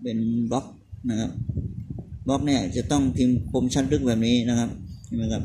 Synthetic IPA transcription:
pe˧nbɔ˦˥k̚ | na˦˧˥kʰa˦˥p̚ | bɔ˦˥k̚nɛ˧˥˩t͡ɕa˨˩t̪ɔ˥˩ŋt̪ʰi˧mpʰo˧˥mt͡ɕʰa˦˥t̪̚lɯ˦˥k̚bɛː˨˩p̚niː˦˥na˧˩kʰa˦˥p̚a˥˩mɯ˧˥kʰa˦˥p̚

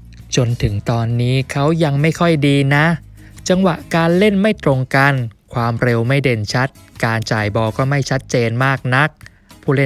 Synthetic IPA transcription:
t͡ɕo˧nt̪ʰɯ˩˦ŋt̪ɔː˧nːiː˦˥kʰa˦˥wja˧ŋma˥˩jkʰɔ˥˩jdiː˧na˦˥ | t͡ɕa˧ŋwa˨˩ʔkaː˧nle˥˩nma˥˩jt̪ɾo˧ŋka˧nkʰwaː˧mɾe˧wma˥˩jde˧nt͡ɕʰa˦˥t̪̚kaː˧nt͡ɕaː˨˩jbɔː˧kɔː˥˩ma˥˩jt͡ɕʰa˦˥t̪̚t͡ɕeː˧nmaː˥˩k̚na˦˥k̚ | pʰuː˥˩le˥˩

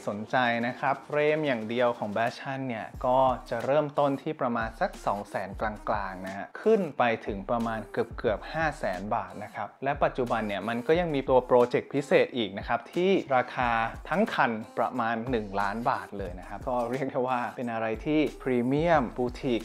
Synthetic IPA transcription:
so˩˦nt͡ɕa˧jna˦˥kʰɾa˦˥p̚ɾeː˧˩mjaː˨˩ŋdi˧əwkʰɔː˩˦ŋbɛː˦˥t͡ɕʰa˥˩nːi˥˩ɐkɔː˥˩t͡ɕa˨˩ɾɤː˥˩mt̪o˥˩nt̪ʰiː˥˩pɾa˧maː˧nsa˨˦k̚sɔː˩˦ŋsɛː˩˦nklaː˧ŋklaː˧ŋna˦˥˧kʰɯ˥˩npa˧jt̪ʰɯ˩˦ŋpɾa˧maː˧nkɯ˨˩əp̚kɯ˨˩əp̚haː˥˩sɛː˩˦nbaː˨˩t̪̚na˦˥kʰa˦˥p̚lɛ˦˥pa˨˩t̪̚t͡ɕu˨˩ba˧nːi˥˩ɐma˧nkɔː˥˩ja˧ŋmiː˧t̪u˧ɐpɾoː˧t͡ɕe˨˩k̚pʰi˦˥seː˨˩t̪̚ʔiː˨˩k̚na˦˥kʰa˦˥p̚t̪ʰiː˥˩ɾaː˧kʰaː˧t̪ʰa˦˥ŋkʰa˧npɾa̰˧maː˧nːɯ˨˩ŋlaː˦˥nbaː˨˩t̪̚lɤː˧jna˦˥kʰa˦˥p̚kʰɔː˥˩ɾi˥˩ək̚da˥˩jwaː˥˩pe˧nʔa˧ɾa˧jt̪ʰiː˥˩pʰɾiː˧mi˥˩əmbuː˧t̪ʰi˨˩k̚

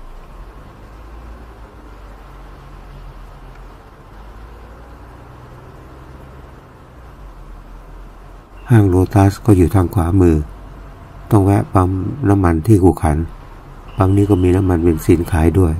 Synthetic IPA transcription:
haː˥˩ŋɾoː˧t̪aː˦˥skɔː˥˩juː˨˩t̪ʰaː˧ŋkʰwaː˩˦mɯː˧˩ | t̪ɔ˥˩ŋwɛ˦˥ʔpa˧˥mna˦˥mːa˧nt̪ʰiː˥˩kʰuː˨˩kʰa˩˦n | b̥a˧ŋniː˦˥˩kɔː˥˩miː˧na˦˥mːa˧npe˧nsiː˨˦˥nkʰaː˨˩˦jdu˥˩əj

